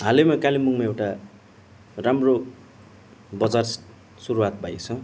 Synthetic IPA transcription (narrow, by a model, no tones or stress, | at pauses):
ɦalemakalimuŋmaewʈa | ramro | bʌd͡zar | suɾuwat̪̚bajt͡sʰʌ̃